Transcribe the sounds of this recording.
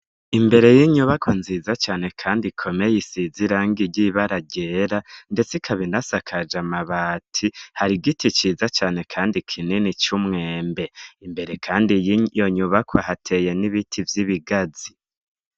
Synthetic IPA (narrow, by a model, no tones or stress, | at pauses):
imbe̞ɾe̞jiɲuβakwonzizat͡ʃaːne̞kʰaːndikʰo̞mejisiziɾaːŋɡiɾɟiβaɾaɟe̞ːɾande̞t͡sikʰaβinasakʰad͡ʒamaβaːtʰihaɾiɡitit͡ʃiːzat͡ʃaːne̞kʰaːndikʰininit͡ʃumŋe̞ːmbe̞imbe̞ɾe̞kʰaːndijo̞ɲuβakʰwahatʰe̞je̞niβitʰivjiβiɡazi